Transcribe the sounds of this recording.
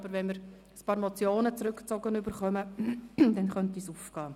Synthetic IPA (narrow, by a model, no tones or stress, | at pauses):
bəɾʋɛnmɪɾ | əspɑːɾmot͡sjoːnət͡sɾʏkt͡sɔɡənʏbəɾχœməd̪ɛnχœntisuːfɡ̥ɑː